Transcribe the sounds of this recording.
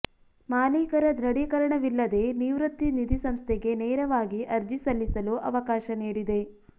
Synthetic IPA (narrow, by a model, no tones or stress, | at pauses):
maːniːkɐɾɐd̪ɾɐɽikɐɾɐɳɐʋilːɐd̪e̞niːʋɾɐt̪ːinid̪isɐmst̪ʰɛɡe̞nɛːɾɐʋaːɡiʔɐɾd͡ʒisɐlːisɐluʔɐʋɐkaːʃɐniːɽid̪e̞